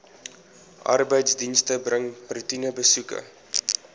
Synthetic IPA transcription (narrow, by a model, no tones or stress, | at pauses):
ʔɐ̰rbəjtsdinstəbrəŋprutinəbəsukə̰